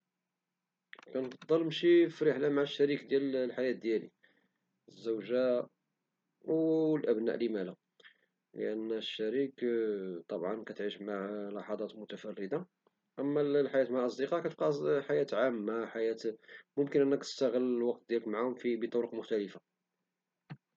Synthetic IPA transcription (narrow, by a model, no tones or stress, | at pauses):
kænfɑd̪ˤːɑlmʃifiɾəħlamaʕaʃːæɾikd̪jællħajæt̪̚d̪jælḭ | əzːæwʒa | wlʔæbnæ̰ʔlimælæ | lə̰ʔænːʃːæɾikt̪ˤɑbʕɑnkæt̪ʕiʃmaʕlɑħɑd̪ˤɑt̪mʊt̪æfærːəd̪a | ʔæmːællħajæt̪maʕʔɑsˤd̪iqɑkæt̪əbqɑħajæt̪ʕamːaħajæt̪mʊmkənʔənːækt̪ə̥st̪æɣəlːlwɑq̚t̪̚d̪jæləkmaʕahʊmfibit̪ˤʊɾəqmʊxt̪æləfa